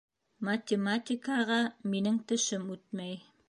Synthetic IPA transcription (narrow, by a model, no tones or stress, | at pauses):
mɐt̪ʲɪmatʲɪkɑʁɑminɘŋt̪ɘ̆ʃɘmʉt̪mæj